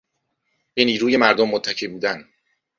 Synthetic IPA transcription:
b̥eniːɾuːje̞mæɾd̪omːot̪ʰːæcʰibuːd̪æn

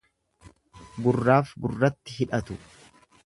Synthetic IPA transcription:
ɡʊrːaːfɡʊrːɐt̪ːɪɦɪᶑɐt̪ʊ

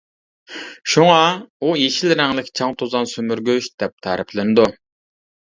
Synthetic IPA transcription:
ʃuŋɑujeʃilɾɛŋlˠɪkʲt͡ʃʰɑŋt̪ʰozɑnsømyɾɡʲøʃd̪̥ɛp̚t̪ʰɑɾɪpʰlɪnɪd̪u

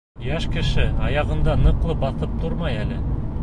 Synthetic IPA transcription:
jæʃkɘ̆ʃɘɑjɑʁɤ̆nd̪ɑnɤ̆qlˠɤbɑθɤp̚t̪uɾmɑjælɘ

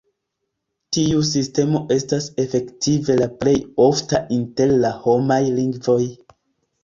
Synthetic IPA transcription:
tius̬iste̞mo̞ʔe̞stase̞fe̞ktive̞laple̞jo̞ftaʔinte̞ɾlaho̞majliŋɡvo̞j

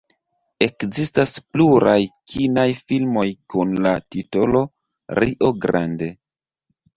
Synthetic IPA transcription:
e̞kzistaspluɾʔajkʰinajfilmo̞jkunlatito̞lo̞ | ɾiʔo̞ɡɾʔa̰nde̞

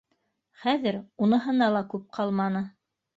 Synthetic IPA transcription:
χæðɘɾunɤ̆ɦɤ̆nɑlˠɑkʉp̚qʰɑlˠmɑnɤ

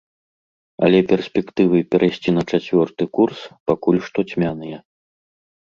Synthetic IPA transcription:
ɐ̰lʲɛpʲɛrsʲpʲɛkt̪ɨvɨpʲɛɾʔajsʲt͡sʲinɐt͡ʂat͡sʲvʲɔrt̪ɨkurspakulʲʂt̪ɔt͡sʲmʲanɨjɛ

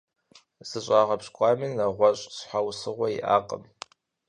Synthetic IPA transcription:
zɨɕʼaːʁɐpɕkʷʼɑːmiːnɐʁʷɔɕʼsħʷawsɨʁʷɔjḭʔa̰ːqʼə̰m

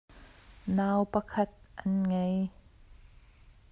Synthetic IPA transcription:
naːwpɐkʰɐt̪̚ʔɐnŋej

